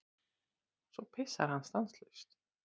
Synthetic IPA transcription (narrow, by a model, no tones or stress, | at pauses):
sɔpʰɛsa̰ɾanst̪ʼanslɛst̪ʰ